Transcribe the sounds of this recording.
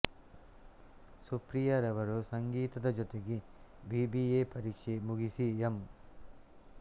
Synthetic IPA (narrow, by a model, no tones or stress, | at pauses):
supɾijɐɾɐʋɐɾusɐŋɡiːt̪ɐd̪ɐd͡ʒɔt̪eɡi | bibieːpɐɾiːkʂemuɡisiem